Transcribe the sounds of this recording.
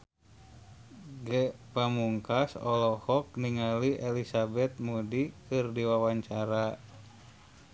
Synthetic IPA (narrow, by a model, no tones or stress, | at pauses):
ɡɛpamuŋkasɔlɔhɔk̚niŋaliʔelisabɛt̪̚mudikɨrdiwawaɲt͡ʃaɾa